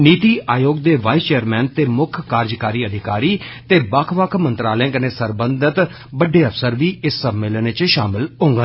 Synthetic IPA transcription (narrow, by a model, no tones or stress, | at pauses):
niːt̪iːʔaːjoːɡd̪eːʋaːist͡ʃeːəɾmɛːnt̪eːmʊkʰkaːɾd͡ʒkaːɾiːəd̪ʱɪkaːɾiːt̪eːbəkʰʋəkʰmənt̪ɾaːlɛãːkəneːsəɾbənd̪ət̪ | bəɖeːəfsəɾʋiːɪsːəmːɪlənt͡ʃʃaːmɪlɦʊ̃ŋɡã